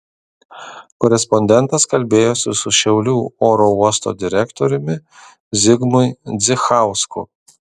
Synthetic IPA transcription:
kɔɾʲɛspɔnʲd̪ʲɛnˑt̪ɐskɐlʲbʲeːjoːsʲɪsʊʃʲɛʊlʲuːoːɾouɔst̪o̰d̪ʲɪɾʲɛkt̪oɾʲʊmʲɪ | zʲɪɡmʊɪd̪zʲɪxɑˑʊskʊ̰

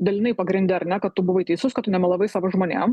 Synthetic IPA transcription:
d̪ɐlʲɪnɐɪpɐɡɾʲɪnd̪ʲɛɐɾnʲɛkɐt̪tʊbʊʋɐɪt̪ʲɛɪsoskɐt̪ːʊnʲɛmʲɛlˠɐʋɐɪsɑːʋoʒmoːnʲḛːm

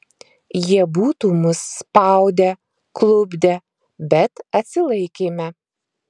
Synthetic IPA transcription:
jiɛbuːt̪uːmʊsːpɑˑʊd̪ʲɛ | klˠʊbʲd̪ʲɛ | bʲɛt̪ɐt̪ʲsʲɪlˠɐɪkʲeːmʲɛ

